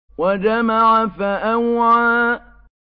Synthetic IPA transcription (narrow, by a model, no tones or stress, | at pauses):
wad͡ʒamaʕafaʔawʕa